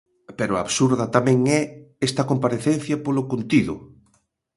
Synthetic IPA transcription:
peɾoa̰βsuɾðɐt̪amɛ̃ŋɛest̪ɐkompaɾeθen̟θjɐpolokont̪iðʊ̰

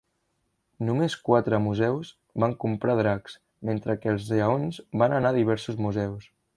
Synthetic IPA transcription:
numeskwat̪ɾəmuzɛwz | βaŋkumpɾaðɾaks | ment̪ɾəkɛlˠzəonzbanənaðiβ̞ɛɾsuzmuzɛws

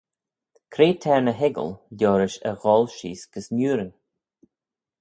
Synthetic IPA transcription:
kʰɾeːtʰɛɹnəɦɪɡə̰llʲoːɾɪʃə̰ɣɔːlʃḭːsɡ̥əsnuːɾən

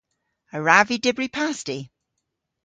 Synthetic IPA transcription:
əɹavidɪbɹipʰasti

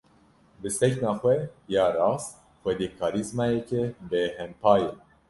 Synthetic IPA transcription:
bɨsɛknɑːxʷɛjɑːɾɑːs | xʷwɛd̪eːkʰɑːɾizmɑːjɛkebeːhɛmpʰɑːje

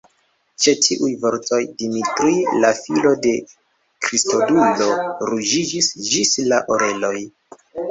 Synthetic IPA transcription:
t͡ʃe̞tʰiʔujvo̞ɾto̞jdimitɾulafilo̞de̞ | kɾisto̞dulo̞ɾud͡ʒid͡ʒisd͡ʒislaʔoɾe̞lo̞j

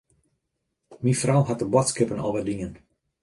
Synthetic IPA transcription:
minfrawɦat̚dəbɔtskɪpənɔ̰lˠʋədiŋən

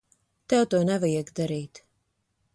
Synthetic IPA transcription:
t̪ɛwt̪uɔnɛvajɛɡd̪aɾiːt̪

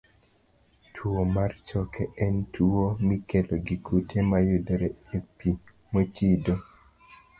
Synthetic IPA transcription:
tʰuomart͡ʃɔkʰɛɛntʰuomikeloɡikʰutʰemajudɾeepi | mot͡ʃido

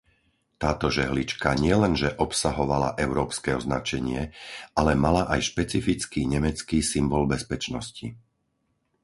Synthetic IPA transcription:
t̪aːt̪ɔʒɛɦlit͡ʃkaɲɪɛlɛnʒɛʔɔpsaɦɔʋala̰ʔɛʊɾɔːpskɛɔznat͡ʃɛɲɪɛalɛmalaʔajʃpɛt͡sifit͡skiːɲɛmɛt͡skiːsimbɔlbɛspɛt͡ʃnɔsci

